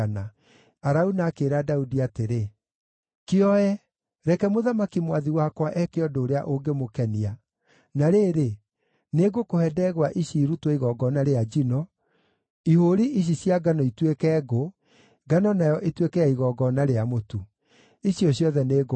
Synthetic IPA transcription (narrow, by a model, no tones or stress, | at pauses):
na | aɾaunaːkeɾadaudiateɾe | keɔɛ | ɾɛkɛmoðamakimwaðiwakwaʔɛkeɔdoːɾea̰ʔoɡemokɛnia | naɾeːɾe | neɡokohɛdɛɣwaʔiɕiːɾutwɔiɣɔɡɔnaɾead͡ʒinɔ | ihoɾiʔiɕ̬isjaɡanɔitwekɛːɡo | ɡanɔnajɔʔetwekɛaiɣɔɡɔnaɾeamotu | iɕiɔɕjɔðɛneːɡo